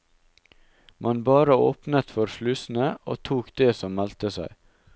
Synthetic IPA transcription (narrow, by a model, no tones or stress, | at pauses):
mɑnbɑːɾəoːpnət̪fɔɾflʉsn̩əʔo̰ːt̪ʰuːkd̪eːsɔmmælt̪əsæɪ